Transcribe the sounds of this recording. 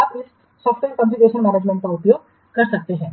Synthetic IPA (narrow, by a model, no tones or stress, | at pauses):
aːpɪs | sɔːfʈʋeːɾkɐ̃mfikeːʃənmæːneːd͡ʒmɛ̃ɳʈ̚kaʊpjoːɡ | kɐɾsɐk̚t̪eɦɛ̃ː